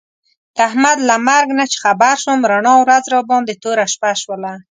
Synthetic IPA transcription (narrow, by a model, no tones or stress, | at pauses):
d̪̥ahmad̪lamaɾɡnat͡ʃe̥xabaɾʃwəmɾaɳɑwɾazɾɔbɑnd̪et̪oɾaʃpaʃwəla